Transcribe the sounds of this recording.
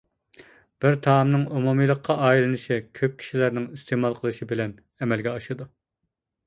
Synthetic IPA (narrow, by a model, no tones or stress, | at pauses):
b̥ɪɾt̪ʰɑmnɨŋumumijlˠəqʰːɑʔɑːilɨnɨʃikʲʰøp̚kʲʰi̥ʃilæɾnɪŋist̪ʰemɑlˠqʰəlˠɨʃibɪlɛn | ɛmɛlɡʲɛɑʃɨd̪u